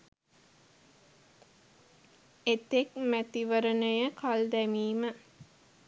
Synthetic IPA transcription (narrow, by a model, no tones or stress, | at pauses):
et̪ekmæt̪iʋəɾənəjəkʰald̪æmiːmə